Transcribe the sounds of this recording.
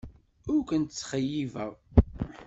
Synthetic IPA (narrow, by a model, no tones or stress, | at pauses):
ʊɾkʷənt̪t͡sːχəjːivæʁ